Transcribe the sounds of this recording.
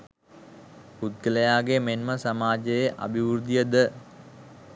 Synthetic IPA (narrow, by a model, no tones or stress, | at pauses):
put̪̚ɡələjaːɡemenməsɐmaːd͡ʒəjeʔa̰bʱiʋuɾd̪ijəd̪ə